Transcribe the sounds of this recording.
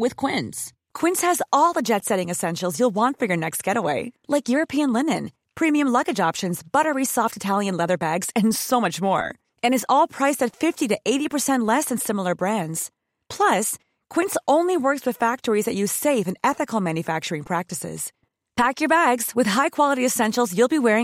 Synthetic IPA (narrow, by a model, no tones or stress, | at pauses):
wɪð̥kʰw̥ɪ̃ns | kʰw̥ɪ̃nshɨzɔlˠðəd͡ʒɛtsɛɾɪ̃ŋɨsɛ̃nʃl̩ˠzjulˠwɑ̃ntfə˞jə˞nɛkst̚ɡ̥ɛɾəweɪlaɪkjʊɹɨpʰiɨ̃nlɪ̃nɨ̃n | pʰɹ̥ĩmiɨ̃mlʌɡɨd͡ʒɑpʃɨ̃nzbʌɾə˞isɔftɨtʰælˠjɨ̃nlɛðə˞bæɡz̥ɨ̃nsoʊmʌt͡ʃmɔ̰ɹ | ɨ̃ñɨzɔlˠpʰɹ̥aɪsɨtfɪftiɾɨʔeɪɾipʰə˞sɛ̃nʔˡlɛsɨ̃nsɪ̃ml̩ˠə˞bɹæ̃ndz̥ | pʰl̥ʌs | kʰw̥ɪ̃ntsʔõʊ̃nliwɜ˞kswɨð̥fæk̚tə˞izðɨt͡ʃʉz̥seɪfɨ̃nɛθɨkl̩ˠmæ̃njɨfæk̚t͡ʃə˞ɪ̃ŋpʰɹ̥æk̚tɨsɪ̰z̥ | pʰækjə˞bæɡz̥wɨð̥ɦaɪkʰw̥ɑlˠəɾiɨsɛ̃nʃl̩ˠzjulˠbiwɛɹɪ̃